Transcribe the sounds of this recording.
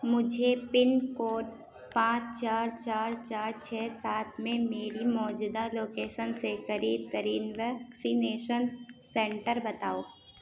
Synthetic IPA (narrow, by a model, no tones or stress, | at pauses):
mʊd͡ʒʱepɪnkoːʈ | pãːt͡ʃt͡ʃaːɾt͡ʃaːɾt͡ʃaːɾt͡ʃʰɛːsaːt̪ʰmẽmeːɾimɔːd͡ʒuːd̪aloːkeːʃənsekɐɾiːb̚t̪əɾiːnʋɛːksineːʃənsɛ̃ːɳʈəɾbɐt̪aːoː